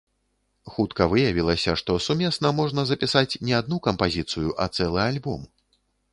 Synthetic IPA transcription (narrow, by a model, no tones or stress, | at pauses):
xut̪kɐvɨjavʲilˠɐsʲɐʂt̪ɔsumʲɛsnɐmɔʐnɐzɐpʲisat͡sʲnʲɛad̪̚nukɐmpazʲit̪sɨjuʔɐt̪sɛlˠɨalʲbɔm